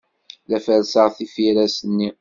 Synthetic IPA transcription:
læfælsəʁθifiɾæsənːi

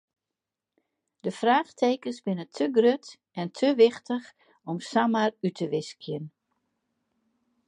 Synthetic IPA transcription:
d̥əfraːxtʰeːkəsbɪnətʰəɡrøt | ɛntʰəʋɪxtəx | ɔmsamarytʰəʋɪskjən

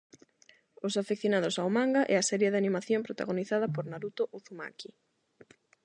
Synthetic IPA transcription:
ʊsafekθjonaðʊsawmãŋɡaʔɛ̰asɛɾjeðɪanimaθjompɾot̪a̰ɣoniθaðɐpoɾnaɾut̪oʔuθuma̰ki

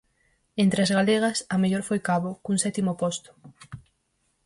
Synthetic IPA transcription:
ent̪ɾeazɣaleɣ̞ɐsɐmeʎoɾfojkaβokuŋsɛt̪imopost̪ʊ̥

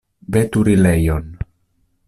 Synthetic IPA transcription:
bet̪uɾilejon

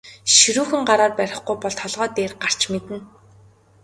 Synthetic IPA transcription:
ʃiɾuːxɘ̆ŋɢaɾaːrpæɾʲɪ̆χɡujpɔɮt̪ʰɔɮʁœːt̪eːrɢar̥t͡ɕmet̪ɘ̆n

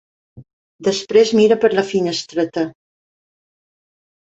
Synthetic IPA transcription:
d̪əspɾezmiɾəpəɾləfiɲəst̪ɾət̪ə

